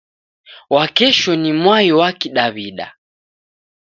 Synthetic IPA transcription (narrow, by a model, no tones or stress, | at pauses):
wakɛʃɔnimwajiwakiɗaβiɗa̰